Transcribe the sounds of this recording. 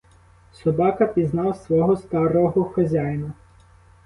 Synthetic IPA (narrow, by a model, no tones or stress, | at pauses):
sɔbɑkɐpʲiznɑwsʋɔɦɔst̪ɑɾɔɦɔxɔzʲajnʊ